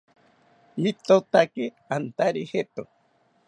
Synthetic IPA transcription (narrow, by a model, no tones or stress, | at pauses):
it̪ot̪ake | ant̪aɾihet̪o